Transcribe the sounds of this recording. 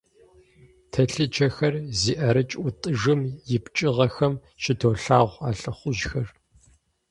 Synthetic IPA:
tʰɐɬɨd͡ʒʰɐxɐrziːʔɐɾɨt͡ʃʼʔʷʊtʼɨʐɨmjɪpt͡ʃʼɪʁɐxɐm | ʃɪtʰoːɬaːʁʷaːɬɨχʷʊʒxɐr

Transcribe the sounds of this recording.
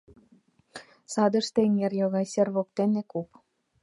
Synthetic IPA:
sɑd̪ɤ̆ʃt̪eŋerjoɣɑjsʲerβok̚t̪enekup

